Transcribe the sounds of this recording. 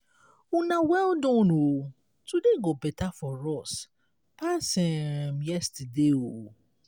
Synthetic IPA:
unãwɛldɔ̃no | tudeɡɔbɛtafɔɾɔs | pasɪ̃mjɛstadeo

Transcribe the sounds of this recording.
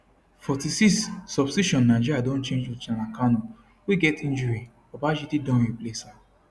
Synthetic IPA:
fɔtisiksːɔbsiʃɔ̃nːaɪd͡ʒiɾjadɔ̃nt͡ʃẽnd͡ʒut͡ʃãnãkanɔ̃ | wiɡɛtĩnd͡ʒuɾi | ɔbaʃitidɔ̃iplesa

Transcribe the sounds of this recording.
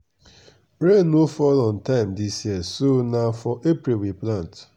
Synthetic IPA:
ɾenːofɔlɔ̃ntãɪ̃mdisjiəsonafɔʔepɾilwiplãnt

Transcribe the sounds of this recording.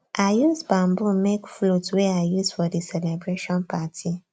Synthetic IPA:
ʔajusbãmbumekflotwɛajusfɔdisɛlɛbɹeʃɔ̃npʰatʰi

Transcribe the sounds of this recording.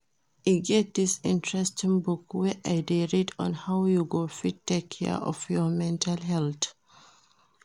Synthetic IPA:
iɡɛt̪̚d̪isɪ̃ntɹɛstĩŋbukwɛʔaɪdeɹidɔ̰̃nhawjuɡofittːekʰːɛ̰ɔ̰vjɔmɛ̃ntʰalɦɛlt

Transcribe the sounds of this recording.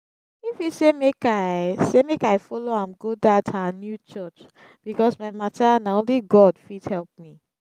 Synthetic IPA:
ifisemekasemekaɪfɔloãmɡodatʰanjut͡ʃɔt͡ʃ | b̥ikɔsmaɪmatanaõnliɡɔdfidhɛlp̚mi

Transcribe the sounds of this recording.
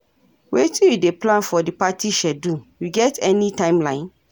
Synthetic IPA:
wetijudeplãnfɔdipatiʃɛdujuɡɛtɛnitãɪ̃mlã̰ɪ̃n

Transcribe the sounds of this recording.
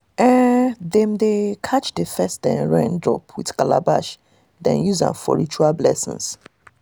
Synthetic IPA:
ɛdɛ̃mdekʰat͡ʃdefɛstdɛ̃nɹãndɹɔ̰pʰwiθkalabaʃ | dɛ̰̃njuzã̰nfɔ̰ɹit͡ʃualblɛ̰sḭ̃ns

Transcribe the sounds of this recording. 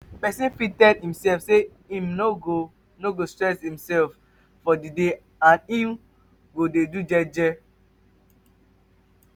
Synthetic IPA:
pɛsĩnfitɛhĩmsɛfse | ĩmnoɡo | noɡostɹɛshĩmsɛlf | fɔdide | ãnĩm | ɡodedud͡ʒɛd͡ʒɛ

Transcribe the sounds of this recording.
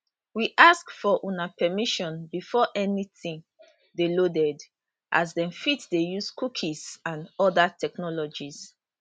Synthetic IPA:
wiʔaskfɔʔũnapɛmiʃɔ̃nbifɔʔɛniθĩŋ | delodɛd | ʔa̰zdɛ̃mfitdejuskukʰizãnɔdatʰɛknɔlɔd͡ʒis

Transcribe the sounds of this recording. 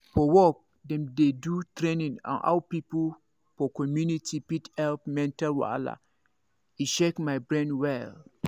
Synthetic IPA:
fɔwɔk̚ | dɛ̃mdedutʰɾẽnĩnã̰nʔa̰ʊpipul | fɔkʰɔmjunitʰipithɛlpmɛ̃ntalwa̰la̰ | iʃekmaɪbɹɛ̃ndwɛl

